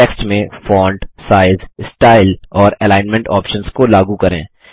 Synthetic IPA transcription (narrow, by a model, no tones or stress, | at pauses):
eːksʈmẽfɔːɳɖsaːɪzsʈaːɪlɔːɾɛlaːɪnmɛ̃ɳʈɔ̰ːpʃə̃nzkolaːɡukɐɾḛ̃ː